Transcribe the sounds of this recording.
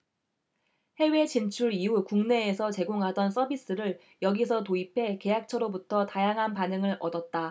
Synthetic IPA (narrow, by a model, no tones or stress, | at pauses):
he̞we̞t͡ɕint͡ɕʰuɾiukuŋne̞ːsʰʌt͡ɕe̞ɡoŋɦadʌns͈ʌbis͈ɯɾɯɭ | jʌɡisʰʌtoipʰe̞ke̞jak̚t͡ɕʰʌɾobutʰʌtajaŋɦanpanɯŋɯɾʌdʌt̚t͈a